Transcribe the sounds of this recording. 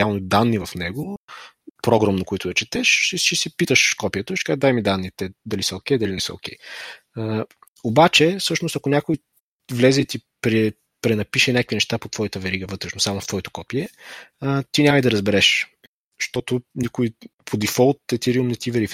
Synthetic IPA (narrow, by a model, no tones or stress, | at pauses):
alˠnid̪anːivɐfnɛɡʊ | pɾɔɡɾomnokʊit̪ʊd̪ɐt͡ʃɛt̪ɛʃiʃisipit̪əʃkɔpijət̪əɛʃkazd̪ajmid̪anːit̪ɛd̪ɐlisəokɛjd̪ɐlinɛsə̰o̰kɛj | obat͡ʃɛfsɤʃnost̪ɐkʊnʲakʊj | vlɛzɛt̪ipɾɛ | pɾɛnɐpiʃɛnʲak̚kvinɛʃt̪apot̪vɔjət̪əvɛɾiɡəvɤt̪ɾɛʃnosamʊft̪vɔit̪o̥kɔpiɛ | t̪inʲaməid̪ɐɾɐzbɛɾɛʃ | ʃt̪ɔt̪ʊnikʊipʰod̪ifɔlˠt̪ːɛt̪iɾiumnɛt̪ivɛɾif